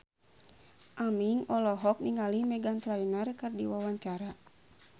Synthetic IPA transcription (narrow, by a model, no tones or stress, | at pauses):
ʔamiŋɔlɔɦɔk̚niŋalimɛɡant̪ɾainarkɨrdiwawaɲt͡ʃaɾa